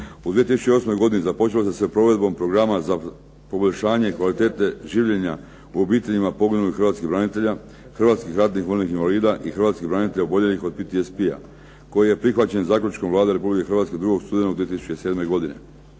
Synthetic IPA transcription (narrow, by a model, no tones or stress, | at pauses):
ud̪ʋiet̪isu̥t͡ʃeo̞smo̞jɡo̞d̪inezapo̞t͡ʃelosesʋepɾo̞ːʋe̞d̪bo̞mpɾo̞ɡɾamaza | po̞boʎʲʃaːɲe̞ikʋalit̪e̞ːt̪e̞ʒiːʋʎeɲa | uobiːt̪e̞ʎimapo̞ɡinulixrɾʋat̪skibɾanit̪e̞ʎa | xrʋaːt̪skixɾat̪nixʋolʲnixinʋaliːd̪aʔixr̩ʋaːt̪skibɾanit̪eʎaubo̞ʎelixo̞d̪̚pit̪iespia̰ | ko̞jije̞pɾixʋat͡ɕe̞nzaːkʎut͡ʃkomvlˠaːd̪eɾepublikexɾrʋaːt̪sked̪ɾuɡo̞ɡst̪ud̪enauɡd̪iet̪isu̥t͡ɕt͡ʃeseːd̪me̞jɡo̞d̪inḛ